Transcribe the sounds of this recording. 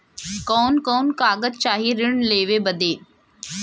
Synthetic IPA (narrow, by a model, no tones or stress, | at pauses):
kɔːnkɔːnkaːɡəd̪t͡ɕaːɦiɾɪɽ̃leːʋebɐd̪eː